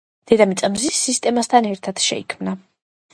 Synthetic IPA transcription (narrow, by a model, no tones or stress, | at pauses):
d̪̥ɛd̪amit̪sʼamzisːist̪ʼɛmast̪ʰanɛɾt̪ʰad̪̥ʃɛ̰ikʰmna